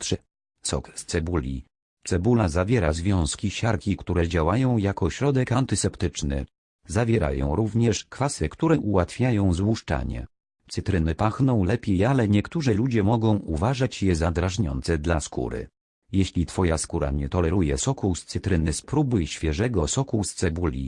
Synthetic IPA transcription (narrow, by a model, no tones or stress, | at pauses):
t̪ʂ | sɔ̰kst̪sɛbulʲḭ | t̪sɛbulazavʲjɛɾazvʲjɔ̃w̃skʲiɕaɾkʲikt̪uɾɛd͡ʑawajɔ̃w̃jakɔɕɾɔd̪ɛkant̪ɘsɛpt̪ɘt͡ʂnɘ̰ | zavʲjɛɾa̰jɔ̰̃w̃ɾuvɲɛʂkfasɛkt̪uɾɛʔuwat̪fʲjajɔ̃w̃zwuʂt͡ʂa̰ɲɛ̰ | t̪sɘt̪ɾɘnɘpaxnɔ̃w̃lɛpʲjejalɛɲɛkt̪uʐɛlud͡ʑɛmɔɡɔ̃w̃uvaʐat͡ɕjɛzad̪ɾaʐɲɔ̰nt̪sɛd̪laskṵɾɘ̰ | jeɕlʲit̪fɔjaskuɾa̰ɲɛt̪ɔlɛɾujɛsɔkust̪sɘt̪ɾɘnɘspɾubɨɕfʲjɛʐɛɡɔsɔkust̪sɛbulʲḭ